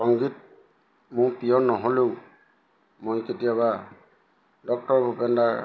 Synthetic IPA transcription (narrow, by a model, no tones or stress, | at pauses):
sɔŋɡit̚ | mʊ̃pijɔnɔɦolew | mojketijaβa | dɔk̚tɔɹbʱupenda